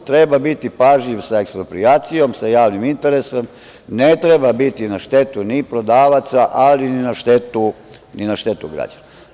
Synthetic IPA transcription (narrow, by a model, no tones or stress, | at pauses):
t̪ɾe̞babit̪ipaʒʎiʋsaekspɾo̞pɾiaːt̪sijo̞msajaːʋnimint̪e̞ɾesom | net̪ɾebabit̪inaʃt̪e̞t̪unipɾo̞d̪aːʋat̪saʔalininaʃt̪e̞t̪u | ninaʃt̪e̞t̪uɡɾa̰d͡ʑana